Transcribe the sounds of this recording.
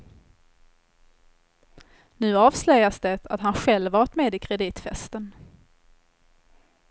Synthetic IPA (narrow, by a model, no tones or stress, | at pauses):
nʉ̟ːɑːvslœjasd̪ɛt̪at̪ɦanɧɛlvɑːʈ̪meːd̪ɪkʰɾɛd̪iːt̪fɛst̪ən